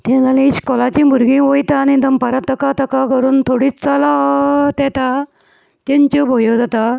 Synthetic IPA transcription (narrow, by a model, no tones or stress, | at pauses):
t̪ẽd͡zalẽiɕkɔlat͡ɕĩbʱuɾɡĩʋojt̪aːnid̪əmpəɾat̪ːəkat̪əkakəɾuːnt̪ʰoɽit͡salat̪ɛt̪a | t̪ẽɲt͡ɕɔbʱojɔd͡zat̪a